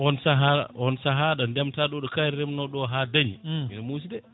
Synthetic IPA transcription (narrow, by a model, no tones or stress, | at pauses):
ɔnsaɦaa̰ʔɔnsaɦaɗandɛmtaɗɔɗɔkajɾɛmnɔɗɔɦadaɲiminamus̬idɛ